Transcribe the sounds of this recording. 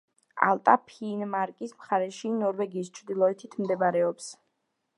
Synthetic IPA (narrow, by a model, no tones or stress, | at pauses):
a̰lˠt̪ʼapʰinmaɾkʼismχaɾɛʃinɔɾvɛɡiːst͡ʃʰɾd̪ilˠɔɛt̪ʰit̪ʰmd̪ɛbaɾɛɔps